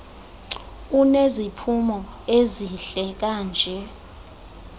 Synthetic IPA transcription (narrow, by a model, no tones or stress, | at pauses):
unezipʰumɔeziɬɛk̬aːnd͡ʒʱɛ